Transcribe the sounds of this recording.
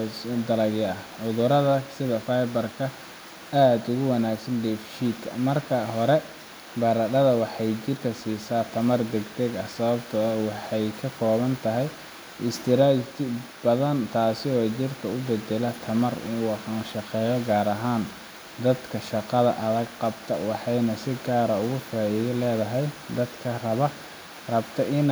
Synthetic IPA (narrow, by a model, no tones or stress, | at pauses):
d̪ɐlɐɣɪɐhʕʊðʊɾɐðɐsɪðɐfajbɐrkʰɐ | aːd̪ʊɣʊwɑnaːɡsɐnɖɛfʃiːd̪kʰɐ̰mɐrkʰɐɦɔɾɛ | bɐɾɐɖɐðɐwɑħɑjt͡ʃɪrkʰɐsiːsaːt̪ʰɐmɐrd̪ɛɡd̪ɛɡɐhsɐβɐbt̪ʰɐwɑħɑjkʰɐkʰɔːβɐnt̪ʰɐɦɛj | ɪst̪ʰɪɾaːt̪ʰɪ | bɐðɐnt̪ʰaːsɪɔːt͡ʃɪrkʰɐʊbɛd̪ɛlɐt̪ʰɐmɐrʊ̰wɑħanʃɑqɛːjɐɡaːɾɐɦaːn | d̪ɐd̪kʰɐʃɑqɑðɐʔɐðɐɡqɑbt̪ʰɐ̰wɑħɑjnɐsɪɡaːɾɐʊɣʊfaːɪðɐlɛːðɐɦɛjd̪ɐd̪kʰɐrɐβɐ | rɐbt̪ʰɐʔɪn